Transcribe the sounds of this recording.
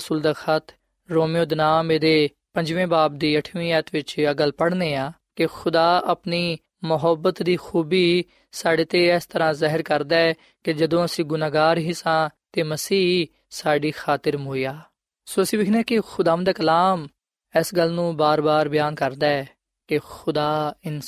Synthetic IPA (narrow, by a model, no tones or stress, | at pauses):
suːld̪aːxət̪ʰ | ɾoːmijoːd̪ənaːmeːd̪eː | pə̃ɲd͡ʒʋẽːbaːb̚d̪iːəʈʰmĩːɛːt̪ʋɪt͡ʃəɡəlpəɽneːaːkɪxʰʊd̪aːəpniː | mʊɦəbːət̪d̪iːxuːbiː | saːɖeːt̪eːɛːst̪əɾãːzɛɦəɾkəɾd̪aːɛː | kɪd͡ʒəd̪õːəsĩːɡʊnaːɡaːɾɦiːsãːt̪eːməsiː | saːɖiːxʰaːt̪ɪɾmoːijaː | soːəsĩːʋɪkʰneɛːkɪxʰʊd̪aːʋə̃nd̪aːkəlaːm | ɛsɡəlːnũːbaːɾbaːɾbɪjaːnkəɾd̪aːɛː | kɪxʊd̪aːɪn